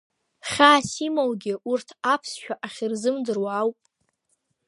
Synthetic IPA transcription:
χʲaːsimowɡʲɪurtʰapʰsʃᶣaʔaχʲɪrzɨmdɨrwawpʼ

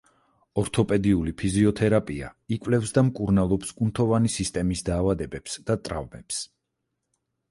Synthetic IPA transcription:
ɔɾt̪ʰɔpʼɛd̪iulipʰiziɔt̪ʰɛɾapʼia̰ikʼwvlɛfsd̪amkʼuɾnalˠɔpskʼunt̪ʰɔvanisist̪ʼɛmisd̪aːvad̪ɛbɛpsd̪̥at̪ʼɾa̰vmɛps

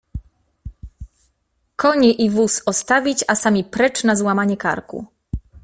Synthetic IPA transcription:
kʰɔɲɛʔivusɔst̪avʲit͡ɕasamʲipɾɛt͡ʂnazwamaɲɛka̰ɾkṵ

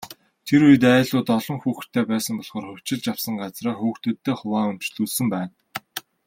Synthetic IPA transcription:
t̪ʰeɾujɘ̆t̪æːɮʊːt̪ɔɮɞ̆ŋxuːx̆t̪ʰːeːpæːsə̆mpɔɮχɔːrχɵw̥ʲt͡ɕɪ̆ɮt͡ɕjawsə̆ŋɢat͡sraːxuːxt̪ɵ̆t̪ʰːeːχʊwaːʊm̥t͡ɕɮuːɮsɵ̆mpæːn

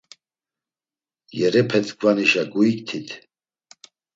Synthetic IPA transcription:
jɛɾɛpʰɛt͡sʼɡvaniʃaɡuikt̪ʰit̪ʰ

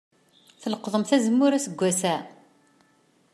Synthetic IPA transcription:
θələqðˤəmθæzəmːʊɾæsəɡʷːæsæ

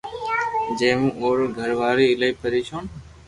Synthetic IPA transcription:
d͡ʒẽːmũːoːɾɡʱəɾʋaːɾiːɪləiːpəɾiːʃʰoːn

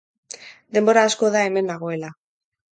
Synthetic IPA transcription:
d̪e̞mbo̞ɾaːsko̞ðae̞me̞naɣ̞o̞e̞la

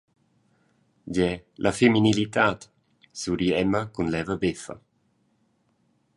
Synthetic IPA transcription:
ɟɛlʔafeminilit̪aːt̪ | suɾiɛməkunlɛvəbefɐ̰

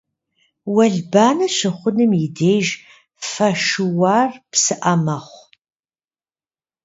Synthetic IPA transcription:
wɐɮbaːnɐɕʷɪχʷʊnɨmjɪdeːʒ | fɐʃɨwaːrpsɨʔɐmɐχʷ

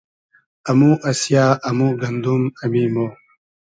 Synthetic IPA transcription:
ɐmuːʔɐsjaːʔɐmuːɡɐnd̪umɐmimoː

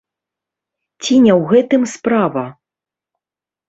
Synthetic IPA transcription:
t͡sʲinʲɛwɣɛt̪ɨmspɾavɐ

